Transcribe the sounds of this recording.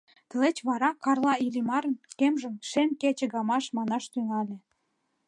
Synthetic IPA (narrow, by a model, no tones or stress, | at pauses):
t̪ə̆let͡ɕβɑɾɑkɑrlɑilimɑɾə̆nkemʒə̆mʃemket͡ɕĕɣɑmɑʃmɑnɑʃt̪yŋɑlʲĕ